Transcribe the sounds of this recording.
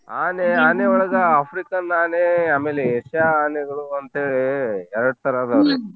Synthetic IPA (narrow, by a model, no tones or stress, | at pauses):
aːneaːneːɔɭɐɡɐaːpʰɾikɐnːaːneːaːmeːleeʂjaːneɡɐɭuɐnt̪ɦeːɭeɛɾɐɽut̪ɐɾaːd̪ɐʋɾe